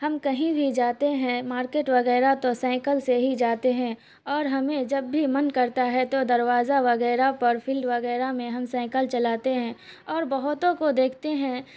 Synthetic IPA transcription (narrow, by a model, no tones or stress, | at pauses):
hɐmkɐɦĩbʱid͡ʒaːt̪eɦɛ̃maːɾkeːʈʋɐɣɛːɾat̪osɛ̃ːkəlseɦid͡ʒaːt̪eɦɛ̃ | ɔːɾɦɐmẽd͡ʒɐbːʱimɐnkɐɾt̪aɦɛt̪od̪ɐɾʋaːzaʋɐɣɛːɾapɐɾfʰɪlɖʋɐɣɛːɾamẽɦɐmsɛ̃ːkəlt͡ʃɐlaːt̪eɦɛ̃ː | ɔːɾbɐɦʊt̪õkod̪eːkʰt̪eɦɛ̃